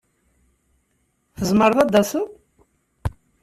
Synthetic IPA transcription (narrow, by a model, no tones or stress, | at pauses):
θəzˤməɾˤðɑd̪ːɑsəð